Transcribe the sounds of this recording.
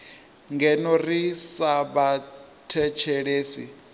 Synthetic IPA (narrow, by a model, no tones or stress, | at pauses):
ŋɡɛnɔrisaβatʰɛt͡ʃʰɛɺeːsi